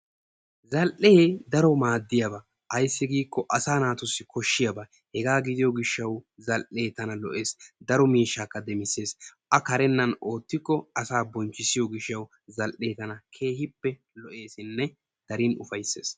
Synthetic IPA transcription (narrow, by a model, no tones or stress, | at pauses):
zɐlʔeed̪ɐɾɔmaːd̪ːɪjɐbɐ | ʔɐjsːɪɡiːkːɔʔɐsaːnaːt̪ʊsːɪkʰɔʃːɪjɐbɐ | hɛɡaːɡɪd̪ɪjɔɡɪʃːɐwzɐlʔe̞ːt̪ɐnɐlɔ̰ʔe̞ːsd̪ɐɾɔmiːʃːaːkːɐd̪ɛmɪsːe̞ːsʔɐkɐɾɛnːɐno̞ːt̪ːɪkːɔɐsaːbɔnt͡ʃːɪsɪjɔɡɪʃːɐw | zɐlʔe̞ːt̪ɐnɐkʰe̞ːhɪpːɛ | lɔʔe̞ːsɪnːɛ | d̪̥ɐɾinʊfɐjsːe̞̰ːs